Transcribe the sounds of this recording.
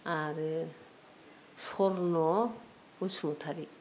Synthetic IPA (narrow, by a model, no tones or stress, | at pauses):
aɾ | sɔɾnɔ | usʰmɔt̪ʰaɾi